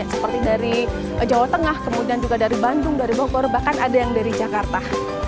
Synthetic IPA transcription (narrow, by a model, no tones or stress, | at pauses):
asə̥pərt̪idaɾi | d͡ʒawat̪əŋahkəmudiand͡ʒuɡadaɾibandʊŋdaɾiboɡɔrbahkanadajaŋdaɾid͡ʒakart̪a